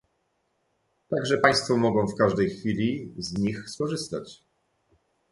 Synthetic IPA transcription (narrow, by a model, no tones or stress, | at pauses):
t̪aɡʐɛpaj̃st̪fɔmɔɡɔ̃w̃fkaʐd̪ɛjxfʲilʲizɲixskɔʐɘst̪a̰t͡ɕ